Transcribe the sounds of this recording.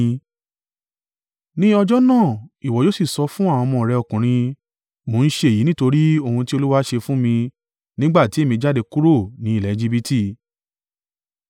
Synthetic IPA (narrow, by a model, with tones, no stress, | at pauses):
nĩ˦ɔ˧d͡ʒɔ˦nãː˦˨i˨wɔ˨jo˦si˦˨sɔ˧fũ˦a˦˨w̃ɔ̃˧mɔ̃˧˨ɾɛ˧ɔ˨kũ˨ɾ̃ĩ˧ | mo˨˦n̩˦ʃe˧e˨ji˨˦nĩ˦to˧ɾi˦o˧˨hũ˧ti˦o˧lu˦wa˦ʃe˧fũ˦mĩ˧ | nĩ˦ɡ͡ba˦˨ti˨˦e˦˨mĩ˧d͡ʒa˦˨de˧ku˦ɾo˦˨nĩ˨˦i˦˨lɛ˨˦˧d͡ʒi˦˧bi˦ti˦˨